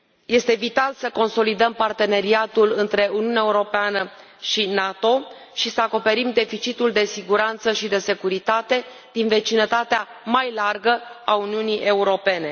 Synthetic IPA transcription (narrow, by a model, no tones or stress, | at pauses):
je̞st̪e̞vit̪alsəko̞nso̞lid̪əmpart̪e̞ne̞ɾiat̪ulɨnt̪ɾe̞ʔuniunaeuɾo̞peanə | ʃinat̪o̞ | ʃisəako̞pe̞ɾimd̪e̞fit͡ʃit̪uld̪e̞siɡuɾant̪səʃid̪e̞se̞kuɾit̪at̪e̞ | d̪inve̞t͡ʃinət̪at̪ea | majlarɡəauniunijʔe̞uɾo̞pe̞ne̞